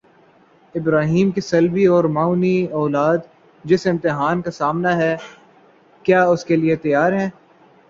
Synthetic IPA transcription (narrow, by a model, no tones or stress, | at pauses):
ɪbɾaːɦiːmkisɐlbiɔːɾmaːʊniɔːlaːd̪ | d͡ʒɪsɪ̃mt̪ɪɦaːnkasaːmnaɦɛ | kjaːʊskeliet̪ɐjaːɾɦɛ̃ː